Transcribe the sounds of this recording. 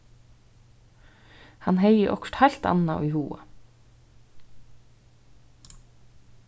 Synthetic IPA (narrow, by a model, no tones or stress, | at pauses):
hɑnheɪəʔɔkʃʈhɑʎt̪ɑ̰nɑo̰ːiːhuːə